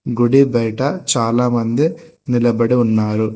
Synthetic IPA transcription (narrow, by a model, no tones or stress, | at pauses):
ɡuɽibɐjʈɐt͡ʃaːlaːmɐnd̪inilɐbɐɽiunːaːɾu